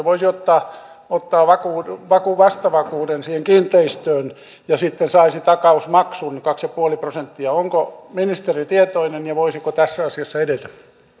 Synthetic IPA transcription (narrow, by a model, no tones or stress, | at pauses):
ʋoisiot̪ːɑː | ot̪ːɑːʋɑkuːʋɑkuʋɑst̪ɑʋɑkuːdensiːheŋkiːnt̪ːˑeist̪øːn | jɑsit̪ːensɑisit̪ɑkɑusmɑksunkɑksjɑpuoliprosent̪ːiɑoŋkominist̪erit̪iet̪oinenjɑʋoisikot̪æsːæɑsiɑsːɑedet̪æ